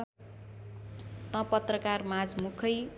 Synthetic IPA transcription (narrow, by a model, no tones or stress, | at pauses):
t̪ʌ̃pʌt̪rʌkarmad͡zmukʰʌj